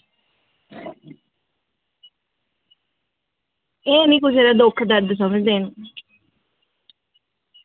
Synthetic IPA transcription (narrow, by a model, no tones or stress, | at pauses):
eːnĩːkʊs̬eːɾaːd̪okʰd̪əɾd̪s̬əməd͡ʒd̪eːn